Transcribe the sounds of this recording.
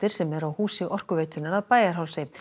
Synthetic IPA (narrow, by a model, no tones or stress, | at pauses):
t̪ɪɾ̥sɛmɛɾawhuːsɪʔɔr̥kʏveːjt̪ʏnaɾaðpaːjaɾ̥ɦawlsɪ